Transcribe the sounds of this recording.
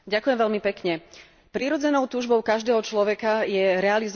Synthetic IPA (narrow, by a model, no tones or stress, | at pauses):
ɟakujɛmʋɛlmipɛkɲɛ | pɾiːɾɔd͡zɛnɔʊt̪uːʒbɔʊkaʒd̪ɛːɦɔt͡ʃlɔʋɛkajɛɾɛaliz